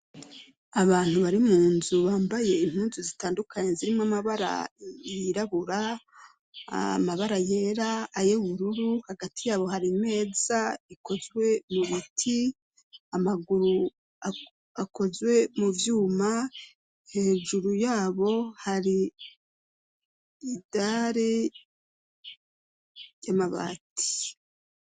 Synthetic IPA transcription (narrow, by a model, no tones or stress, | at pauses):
aβaːn̥huβaɾimuːnzuβaːmbaje̞imhuːnzuzitaːndukʰaɲeziɾimamaβaɾa̰jiɾaβuɾa | a̰maβaɾaje̞ɾaːjeuβuɾuɾuhaɡatijaːβo̞haɾime̞ːz̥aiko̞zwe̞muβutʰi | amaɡuɾu | a | ako̞zwe̞muvjuːma | he̞ːʒuɾujaːβo̞haɾi | daːɾe | jamaβa̰tʰi̥